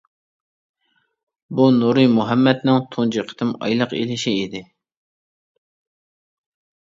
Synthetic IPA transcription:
bunuɾɨmuɦɛmːɛt̪nɪŋt̪ʰond͡ʒɨqʰə̥t̪ɨmɑ̰jlˠəqḛlɪʃiːd̪ɪ

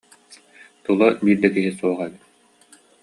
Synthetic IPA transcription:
t̪ulˠabiːɾd̪ɛkiɦisuɔʁaɛbit̪̚

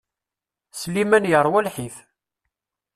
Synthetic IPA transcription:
slimænjəɾˤwælħiθ

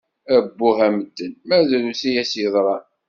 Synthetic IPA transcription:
æbːuhæməd̪ːənmæzælusijæsiðˤɾˤɑ

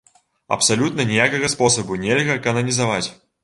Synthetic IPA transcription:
ɐ̰psalʲut̪nɐnʲijakɐɣɐspɔsɐbunʲɛlʲɣɐkɐnɐnʲizavat͡sʲ

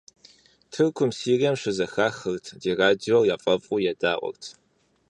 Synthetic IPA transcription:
tʰɨrkʷʰʊmsiːriɛmɕɨzɐxaːxɨrtʰdeːraːd͡ʒiwɔrjaːfʼɐfʼuːjɛdaːʔʷʼɔ̰rtʰ

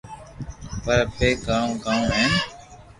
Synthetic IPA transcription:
pəɾpeːkaːũːkaːũːẽː

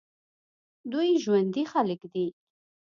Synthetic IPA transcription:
d̪uiʒwənd̪iχaləkd̪i

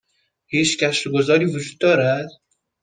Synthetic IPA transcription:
hiːt͡ʃcæʃɾoɡozɒːɾiːvod͡ʒuːd̪̚ːɒːɾæd̪̥

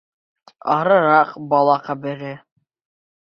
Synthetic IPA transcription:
ɑ̰ɾɤ̆ɾɑqbɑlˠɑqɑbɘ̆ɾɘ

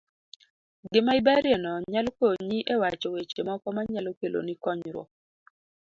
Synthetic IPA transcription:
ɡɪmaɪbaɾjɛnɔɲalkoɲiʔewat͡ʃɔwet͡ʃemɔkɔmaɲalokelo̰nikɔɲɾwɔ̰

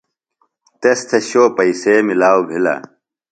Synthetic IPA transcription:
t̪est̪ʰeɕoːpɐiseːmilaːwbʱila̰

